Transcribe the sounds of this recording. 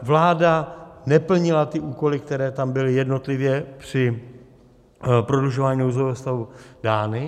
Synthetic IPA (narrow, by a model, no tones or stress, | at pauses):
vlaːdanɛpl̩ɲɪlat̪ɪʔuːko̞lɪk̚t̪ɛɾɛːt̪ambɪlɪjɛdno̞t̪lɪvjɛpr̝̥ɪ | pɾo̞dluʒovaːɲinowzovɛɦost̪avudaːnɪ